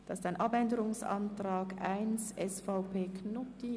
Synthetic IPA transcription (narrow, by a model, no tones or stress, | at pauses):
d̥ɑsɪstaɪnʔɑbɛndəɾʊŋsɑ̰ntraːɡaɪnsɛsfaʊpʰeːkʰnʊti